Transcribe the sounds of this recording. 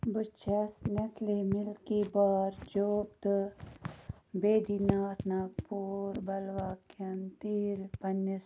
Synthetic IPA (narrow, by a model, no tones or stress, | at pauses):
bʊt͡ʃʰɐsnɐslemɪlkibaːɾd͡ʒoːbt̪ | beːd̪iːnaːt̪ʰnaːpuːɾbɐlʋaːkjɐnt̪iːlpɐnːəs